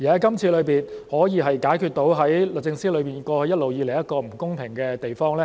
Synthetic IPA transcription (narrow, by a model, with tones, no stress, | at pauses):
jiː˨˩a˨˥kɐ˥mt͡sʰiː˧lɵ˨˧ɥpiː˨˩nhɔː˨˥jiː˨˧ɦɐ˨jkaː˨˥jkʰyː˧t̪̚o˨˥wɦɐ˨˥jlɵ˨k̚t͡sɪ˧ŋsiː˥lɵ˨˧piː˨˩nkʷɔː˧hɵ˧jɐ˥t̚lo˨wjiː˨˧le˨˩jɐ˥t̚kɔː˧m̩˨˩kʊ˥ŋpʰɪ˨˩ŋkɛː˧t̪e˨jfɔː˥ŋlɛː˥